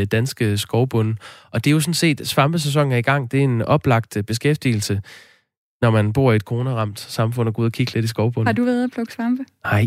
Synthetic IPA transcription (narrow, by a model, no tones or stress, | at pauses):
d̥ænsɡ̥əsɡ̥ɒʊb̥ɔ̽nʔɒ̽d̥e̝jo̝sɒ̽n̩se̝̰ːd̥sʋɑ̈mb̥əses̬ɒ̽ŋ̰̩æɐiɡ̥ɑ̈ŋ̰d̥e̝æɐe̝nɒ̽b̥lɑ̈ɡ̥d̥b̥e̝sɡ̥efd̥ḭːl̩sə | nɒmænb̥o̝ɐ̰ied̥̚kʰo̝ːnəʁɑ̈m̰d̥sɑ̈mfɔ̽n̰ɐɡṵːðˠɐkʰiɡ̥əle̝d̥is̬ɡ̥ɒʊb̥ɔ̽nhɑd̥uʋæːɐðˠɐb̥ʰlɔɡ̥sʋɑmb̥əhɑɪ